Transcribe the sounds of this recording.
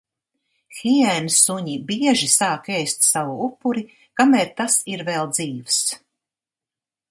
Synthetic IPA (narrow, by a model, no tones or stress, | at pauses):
xiɛnsuɲibiɛʒisaːkɛjst̪savuupːuɾi | kamɛɾt̪asiɾvɛlˠd̪ziːvs